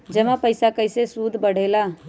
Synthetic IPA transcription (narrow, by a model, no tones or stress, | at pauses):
d͡ʒəmãpəɪsakəɪsesuːd̪ʱbəɽ̤ela